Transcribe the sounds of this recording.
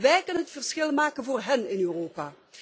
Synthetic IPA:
ʋɛjkɵnənɦətfərsχɪlˠmaːkənvoːrɦɛnɪnøːroːpaː

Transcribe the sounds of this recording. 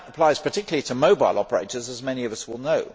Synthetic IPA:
əpʰl̥aɪz̥pʰə˞tʰɪkjl̩əlˠitʰəməʊbaɪlˠɒ̰pəɹḛɪtə˞zəzmɛñiʌvʌswɪlˠnəʊ

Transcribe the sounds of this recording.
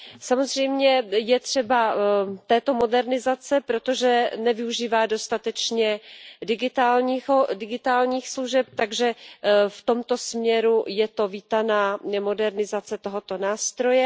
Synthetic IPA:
samo̞zr̝̥ɛjmɲɛjɛt̪r̝̥ɛbat̪ɛːt̪o̞mo̞dɛɾnɪzat͡sɛpɾo̞t̪o̞ʒɛnɛvɪuʒiːvaːdo̞st̪at̪ɛt͡ʃɲɛdɪɡɪt̪aːlɲiodɪɡɪt̪aːlɲiːxsluʒɛp̚t̪aɡʒɛft̪o̞mt̪o̞smɲɛɾujɛt̪o̞viːt̪anaːmo̞dɛɾnɪzat͡sɛt̪o̞ɦo̞t̪o̞naːst̪ɾo̞jɛ

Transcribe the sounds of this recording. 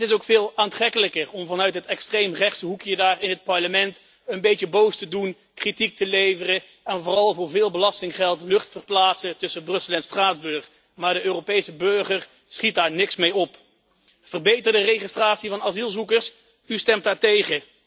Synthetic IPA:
ɦətɪsowkfɪːlˠaːntrɛkələkərɔmvɑnœɥtɦətɛkstrejmrɛχtsəɦukjədaːrɪnɦət̚pɑɹləmɛnt | ənbejtəbowstədun | kritik̚təlejvərə | ɛnvʊːrɑlˠvʊːɹvɪːlˠbəlɑstɪŋχɛlˠtlɵχtfərplaːtsətɵsəbrɵsəl̩ˠɛnstraːdzbɵɹχ | maːɹdəʔøːropejsəbɵɹχəɹ | sχit̚daːɹnɪksmejɔp | v̥ərbejtərdərejχɪstraːtsivɑnazilˠzukəɹs | ystɛmtdaːɹtejχə

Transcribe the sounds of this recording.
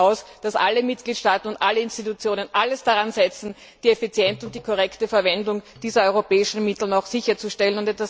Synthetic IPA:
aʊsd̥asʔa̰lːəmɪt̚ɡ̥liːtʃtaːtn̩ʊntʔalːəɪnstitut͡sjoːnənʔaləsd̥aʁanzɛt͡sn̩ | d̥iːɛfit͡sjɛntʊnt̚d̥iːkʰoʁɛktəfɛɐvɛndʊŋd̥iːzɐɔʏʁopɛːɪʃn̩mɪtl̩naʊxz̥ɪçɐt͡suʃtɛlənʊntɛtvas

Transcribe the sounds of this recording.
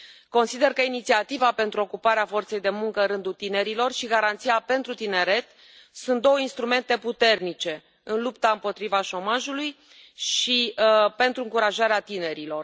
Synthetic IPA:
ko̞nsid̪e̞rkəinit̪siat̪ivape̞nt̪ɾuo̞kupaɾeafo̞rt̪se̞jd̪e̞muŋkəɨɾɨnd̪ut̪ine̞ɾilo̞rʃiɡaɾant̪sijape̞nt̪ɾut̪ine̞ɾe̞t̪ | sunt̪̚d̪o̞wəinst̪ɾume̞nt̪e̞put̪e̞rnit͡ʃe̞ | ɨnlupt̪aɨmpo̞t̪ɾivaʃo̞maʒuluj | ʃipe̞nt̪ɾuɨŋkuɾaʒaɾeat̪ine̞ɾilo̞r

